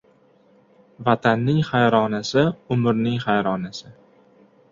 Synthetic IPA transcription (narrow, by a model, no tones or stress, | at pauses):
vat̪ʰanːɪŋχajɾɒnasɪʊmɾnɪŋχajɾɒnasɪ